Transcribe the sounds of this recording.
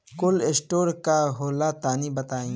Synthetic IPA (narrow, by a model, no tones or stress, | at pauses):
kʊlesʈoːɾkaɦoːlat̪aːnibɐt̪aːĩː